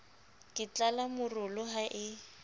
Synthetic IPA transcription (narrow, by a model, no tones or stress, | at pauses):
kʼɪt͡ɬalamʊrʊlʊɦaʔɪ